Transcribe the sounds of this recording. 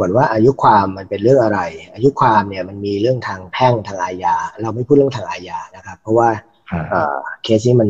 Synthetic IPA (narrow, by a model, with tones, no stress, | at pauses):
u˨˩ənwaː˥˩ʔaː˧ju˦˥kʰwaː˧mːa˧npe˧nɾɯ˥˩əŋʔa˧ɾa˧jʔaː˧ju˦˥kʰwaː˧mni˦˥˩əma˧nmiː˧ɾɯ˥˩əŋt̪ʰaː˧ŋpʰɛ˥˩ŋt̪ʰaː˧ŋʔaː˧jaː˧˩ɾa˧wma˥˩jpʰuː˥˩t̚ə˨t̪ʰːŋʔaː˧jaː˧na˦˥kʰa˦˥pʰːɔ˦˥waː˥˩ | ʔɤ̰ː˨˩kʰeː˦˥sniː˦˥ma˧n